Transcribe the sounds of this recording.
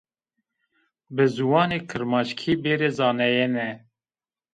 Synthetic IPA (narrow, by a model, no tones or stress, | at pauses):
bɨzuwɑːneːkʰɨɾmɑːʃkʰiːbeːɾeːzɑːnɛjenɛ